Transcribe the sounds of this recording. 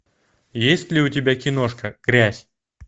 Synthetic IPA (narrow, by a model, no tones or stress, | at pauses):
jesʲtʲlʲɪʊtʲɪbʲakʲɪnoʂkəkɾʲæsʲ